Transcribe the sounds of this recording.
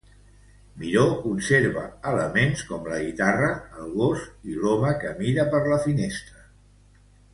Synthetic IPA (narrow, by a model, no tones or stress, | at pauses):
miɾokunseɾβə̰ələmenskɔmləɣit̪arəːlˠɣosilɔməkəmiɾəpəɾləfinest̪ɾə